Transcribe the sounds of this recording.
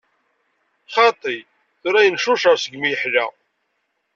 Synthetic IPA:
χɑt̪ˤːij | θʊɾæjənʃʊʃəɾsəɡmijħlæ

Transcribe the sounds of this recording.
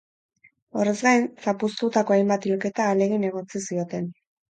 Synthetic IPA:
o̞re̞zɡajnsapust̪ut̪ako̞ajmbat̪ilke̞t̪aːle̞ɣene̞ɣ̞o̞t͡sisio̞t̪e̞n

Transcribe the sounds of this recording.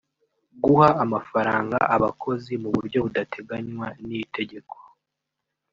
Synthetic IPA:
ɡuhaːmafaɾaːŋɡa̰ʔaβakʰo̞zimuβuɾɟjo̞βudatʰe̞ɡaɲwanite̞ɟe̞ko̥

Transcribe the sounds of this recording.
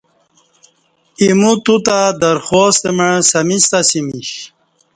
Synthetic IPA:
imut̪ut̪ad̪ɐɾxoːst̪emeɻsɐmist̪asimiɕ

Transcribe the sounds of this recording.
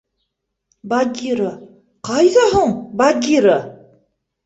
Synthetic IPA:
baɡʲiɾə | qɑjðɑɦuɴbaɡʲiɾɤ

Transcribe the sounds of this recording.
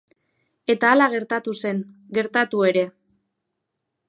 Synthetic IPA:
e̞t̪aːlaɣ̞e̞ɾt̪at̪use̞n | ɡe̞ɾt̪at̪ue̞ɾe̞

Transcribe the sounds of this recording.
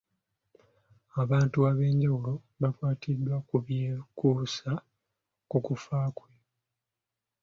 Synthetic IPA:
aβaːntuaβe̞ːɲɟawulo̞ | βakwaːtidːwakuβjekuːsa | kukufaːkwe

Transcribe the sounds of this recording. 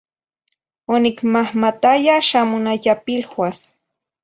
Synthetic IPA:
onikmahmat̪ajaʃamʊnajapilxwas

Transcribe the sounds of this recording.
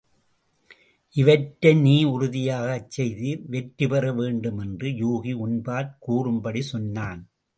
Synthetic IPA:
ʔɪʋɐʈːɐniːʊɾʊðɪjaːɣɐt͡ʃːɛjðɯʋɛʈɾɯpɐrɐʋeːɳɖɯmɛndrɯjuːɣiʊnbaːɾkuːrɯmbɐɽisɔnːaːn

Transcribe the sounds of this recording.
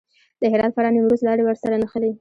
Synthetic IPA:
d̪̥əɦɪɾɑd̪faɾɑnimɾust̪lɑɽewəɾsaɾanəxəli

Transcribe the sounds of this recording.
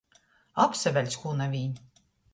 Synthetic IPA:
apsɛvʲælʲsʲxuːnavʲiːɲ

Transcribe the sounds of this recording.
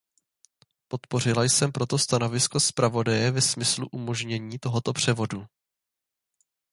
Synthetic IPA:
po̞t̪po̞r̝ɪlajsɛmpɾo̞t̪o̞st̪ano̞vɪsko̞spɾavo̞dajɛvɛsmɪslṵʔumo̞ʒɲɛɲiːt̪o̞ɦo̞t̪o̞pr̝̥ɛvo̞du

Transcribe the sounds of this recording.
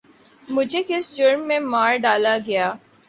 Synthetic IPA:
mʊd͡ʒʱekɪsd͡ʒʊɾmːẽmaːɾɖaːlaɡɐjaː

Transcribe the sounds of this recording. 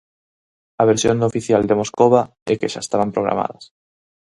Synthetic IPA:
ɐβeɾsjond̪ofiθjald̪emoskoβ̞a | ɛkeʃa̰est̪aβ̞ampɾoɣ̞ɾa̰ma̰ðɐs

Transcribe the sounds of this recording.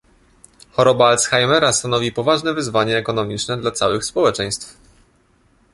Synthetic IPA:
xɔɾɔbaalsxajmɛɾast̪anɔvʲipɔvaʐnɛvɘzvaɲɛːkɔnɔmʲit͡ʂnɛd̪lat̪sawɘxspɔwɛt͡ʂɛj̃st̪f

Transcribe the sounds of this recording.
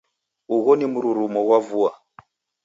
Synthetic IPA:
uɣɔnimuɾuɾumɔɣwavua

